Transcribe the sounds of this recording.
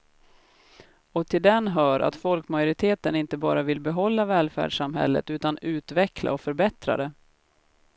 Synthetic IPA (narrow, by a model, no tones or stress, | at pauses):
ɔt̪ʰɪld̪ɛnɦœːɾʔa̰t̪fɔlkmajʊɾɪt̪ʰeːt̪ənɪnt̪əbɑ̰ːɾavɪlbɛɦɔlːavɛːlfæ̰ːɖʂamɦɛ̰lːə̰t̪ʉ̟ːt̪anʉ̟ːt̪vɛklʔa̰ɔfœɾbɛt̪ɾa̰d̪ɛ